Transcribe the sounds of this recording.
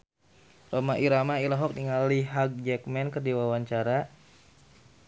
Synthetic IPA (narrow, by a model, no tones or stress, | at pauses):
romaʔiɾamailaɦɔk̚niŋaliɦaɡ̚d͡ʒɛk̚mɛnkərdiwawaɲt͡ʃaɾa